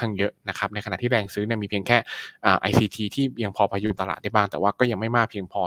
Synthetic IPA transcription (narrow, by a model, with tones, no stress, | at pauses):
a˥˩ŋjɤ˦˥ʔna˦˥kʰa˦˥p̚na˧jʰka˧a˨ʔt̪ʰiː˥˩ɾɛː˧ŋsɯː˦˥ni˥˩miː˧pʰi˧əŋkʰɛː˥˩ʔaː˨˩ʔa˧jsiː˧t̪ʰiː˧t̪ʰiː˥˩ja˧ŋpʰɔː˧pʰaː˧ju˦˥˩t̪a˧la̰ː˨˩da˥˩jbaː˥˩ŋt̪ɛː˨˩waː˥˩kɔː˥˩ja˧ŋma˥˩jmaː˥˩k̚pʰi˧əŋpʰɔː˧